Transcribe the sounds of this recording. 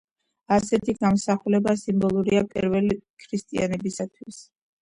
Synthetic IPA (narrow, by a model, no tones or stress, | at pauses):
asɛt̪ʰiɡamsaχulɛbasimbɔlˠuɾiapʼḭɾvɛlikʰɾist̪ʼia̰nɛbisat̪ʰwis